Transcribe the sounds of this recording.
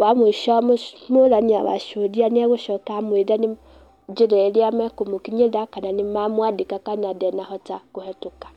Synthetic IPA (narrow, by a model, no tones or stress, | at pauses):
bamoʃɔmolaɲia̰βa̰ʃodianiaɣoʃɔtamwedani | d͡ʒiɾɛliamɛkomokiɲedakananimamwadikakanadɛnahɔtakohɛtokḁ